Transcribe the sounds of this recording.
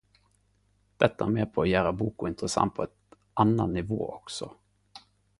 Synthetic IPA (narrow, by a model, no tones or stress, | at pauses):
d̪̥ɛt̪ːaæɾmeːɾpʰɔːjæːɾabuːkʊɪnt̪ɾəsa̰nt̪̚pʰɔɛt̪ | anːanːɪvo̰ːʔɔksɔ